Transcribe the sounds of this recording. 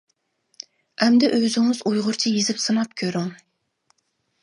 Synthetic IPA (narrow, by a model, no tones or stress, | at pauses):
ɛmd̪ɛʔøzɪŋɪzujʁʊɾt͡ʃʰijezɪpsɨnɑp̚kʲʰøɾɪŋ